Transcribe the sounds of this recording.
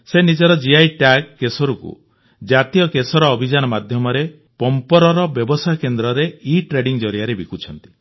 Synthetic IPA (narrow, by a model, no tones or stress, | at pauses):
senid͡ʒɔɾɔd͡ʒiajʈaɡːesɔɾukṵ | d͡ʒat̪ijɔkesɔɾɔːbʱid͡ʒanɔmad̪ʱjɔmɔɾe | pɔmpɔɾɔɾɔbjɔbɔsajɔkend̪ɾɔɾeiʈɾeɖiŋd͡ʒɔɾjaɾebikut͡ʃʰɔnt̪i̥